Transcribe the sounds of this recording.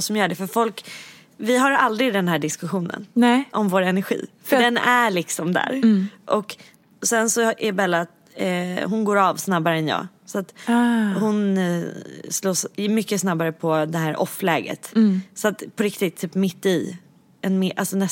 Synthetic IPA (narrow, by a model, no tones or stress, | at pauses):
sɔmjœːɖɛfœɾfɔlk | vɪɦaɾald̪ɾɪd̪ɛnɦæːɖɪskɵɧuːnə̰nɛʔɔmvoːɾɛnæɾɧḭːfœɖɛnæɭɪksɔmd̪æ̰ːɾʔɔk | sɛnsɔʔɛbɛlat̪ː | ɦʊnɡoːɾɑvsnabaɾəɛnjɑ̰ː | sat̪hʊn | sloːsmʏkːəsnabːaɾəpʰɔd̪ɛɦæːɾʔɔ̰fːlɛːɡə̰t̪sɔat̪pʰɔɾɪkt̪ɪt̪ʰːyːpmɪt̪ːɪ | ɛnmɪʔalsɔnɛ